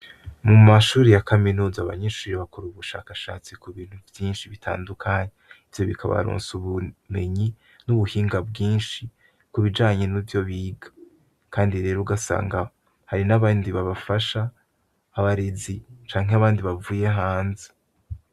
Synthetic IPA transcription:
mumaʃuːɾijakaminuːzaːβaɲeʃuːɾiβakʰoɾuβuʃa̰ːkaʃa̰ːt͡sikuβiːn̥huvjiːnʃiβitʰa̰ːndukʰaɲeivjo̞βikʰa̰βa̰ɾṵːnsuβume̞ɲi | nuβuhiːŋɡabɡiːnʃi | kuβid͡ʒaːɲe̞nivjo̞βiːɡḁ | kaːndiɾe̞ːɾoɡasa̰ːŋɡa | haɾinaβaːndiβaβafaʃaː | βaɾezit͡ʃaːŋɦeaβaːndiβavuːje̞ɦaːnze̥

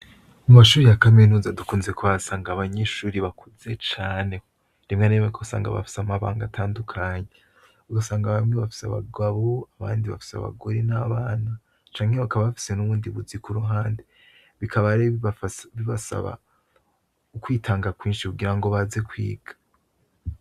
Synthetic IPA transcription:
umaʃuːɾijakaminuːzadukuːnzekʰoβasaːŋɡaːβaɲeʃuːɾiβakʰuze̞t͡ʃaːne̞ | nimŋanemekʰosa̰ːŋɡa̰βa̰fi̥samaβa̰ːŋɡatʰaːndukʰaɲe | uɡasaːŋɡaβamŋeβafi̥sa̰βa̰ɡaβoaβaːndiβafi̥sea̰βa̰ɡo̞ɾenaβaːna | t͡ʃaːŋhe̞βakaβaβafi̥se̞nuβuːndiβuzikuɾuɦaːnde | βikʰaβaɾeβiβasa̰βa̰ | ukwiːtʰaːŋɡakwiːnʃikuɡiɾaŋɡo̞βaze̞kwḭːɡ̥ḁ

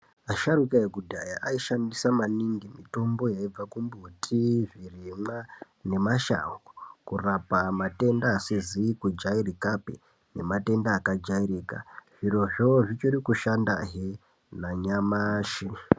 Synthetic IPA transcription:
aʃaɾukajeɡudʱajaʔaiʃandisamaniŋɡimito̞mbo̞jaib͡vakumbutʰiʐirimwa | ne̞maʃa̰ŋɡukurapamate̞ndaːsizikud͡ʒairikapḛ | ne̞̰mate̞ndaːkad͡ʒaiɾiːka̰ʐ̥iro̞ʐo̞ʐit͡ʃiɾikuʃanda̰ɦe | naɲamaːʃi

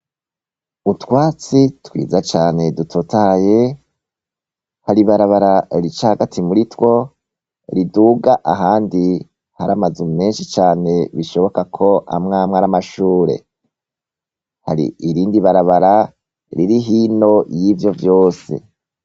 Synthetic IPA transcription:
utwaːt͡sitwḭːzat͡ʃaːne̞dutʰotaje̞ | haɾiβaɾaβaɾaɾit͡ʃahaɡatʰimuɾitwo̞ | ɾiduɡaʔaɦaːndi | haɾamazumme̞ːnʃit͡ʃaːne̞βiʃo̞βo̞kakʰo̞a̰mŋaːmŋaɾamaʃuːɾe̞̰ | ha̰ɾḭiɾiːndiβaɾaβaɾa | ɾiɾiɦiːno̞jivjo̞vjo̞ːsḛ

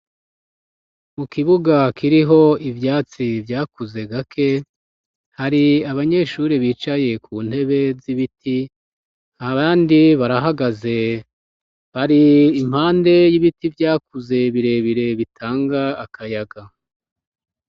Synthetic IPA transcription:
mukiβuɡakiɾiɦo̞ivjaːt͡sivjaːkuze̞ɡakʰe̞ | haɾiaβaɲe̞ʃuɾiβiːt͡ʃaje̞kʰuːn̥he̞βe̞ziβiti | aβaːndiβaɾaɦaɡaze̞ | haɾiːm̥haːnde̞jiβitivjaːkuze̞βiɾe̞βiɾe̞βitʰaːŋɡaːkʰajaɡa

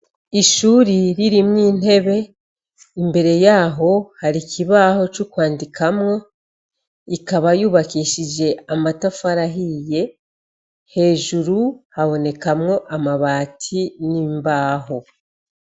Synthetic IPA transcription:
iʃuːɾiɾiɾimŋiːn̥e̞βe̞ | imbe̞ɾe̞jaːɦo̞haɾikʰiβaːho̞t͡ʃukwaːndikʰamŋo̞ | ikaβajuːβakiʃid͡ʒe̞amatafaɾaɦije̞ | he̞ːʒuɾuhaβo̞ne̞kamŋo̞ʔamaβaːtʰiniːmbaːɦo̞

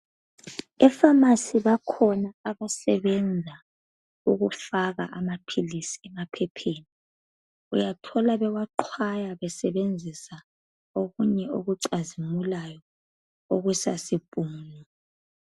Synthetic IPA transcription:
ɛfamasiβakʰɔnaaβasɛβɛnd͡zʱa | uɣufaɣaʔamapʰilisi̥ɛmapʰɛpʰeːni | ujatʰɔlaβɛwaǃʰwajaβɛsɛβend͡zʱisa | oɣuɲɛoɣuǀazimulajɔ | oɣusasib̥ʼuːnɔ

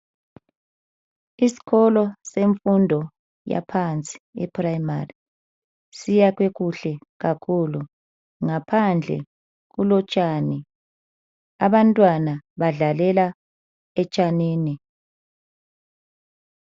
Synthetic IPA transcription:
isi̥ɣɔlɔseɱfundʱɔ | ja̰pʰant͡sʼi̥ɛ̰pʰʼraimari | sijaɣweɣuɬɛ | ɣakʰulu | ŋapʰand͡ɮʱɛ̰ | ɣulɔt͡ʃʼaːni | aβantʼwanaβaɮalɛla | ɛt͡ʃʼaniːni

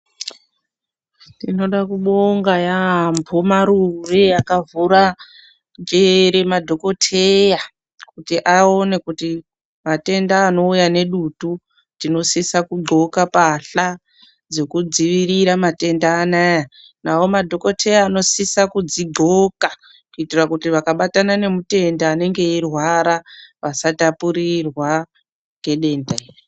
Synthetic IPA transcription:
ndino̞ɗakuɓoŋɡajaɦambʰomaɾureakavuɾa | d͡ʒeɾemadʱo̞ko̞tʰeja | kutiʔao̞ne̞kuti | mate̞ndaːno̞ujane̞ɗutu | tino̞sisakuɡ͡ǃʱo̞kapaɬa | d͡zo̞kud͡ziʋiriɾamate̞ndaːnaja | nawo̞madʱo̞ko̞tʰe̞jaːno̞sisakud͡ziɡʱo̞ka | kuitirakutiʋakaɓatanane̞mute̞ndaːne̞ŋɡe̞irwaɾaʋasatapuɾirwa | ŋɡe̞ɗe̞ndaiːri

